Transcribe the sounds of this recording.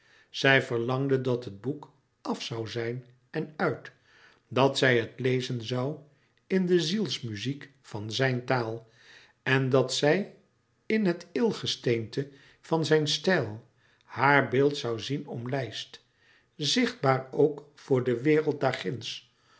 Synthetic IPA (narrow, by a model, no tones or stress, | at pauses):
z̥ɛjvəɹlɑŋdədɑtɦəd̚buk | ɑfsɑwzɛjn | ɛnœɥt | dɑtsɛjɦətlejzənzɑw | ɪndəzilˠsmyzik | fɑnzɛjntaːlˠ | ɛndɑtsɛj | ɪnɦətɪlˠχəstejntə | v̥ɑnzɛjnstɛlˠ | haːɹbɪːlˠtsɑwzinɔmlɛjst | zɪχd̚baːɹowk | fʊːɹdəʋɪːrəlˠt̚daːɹχɪns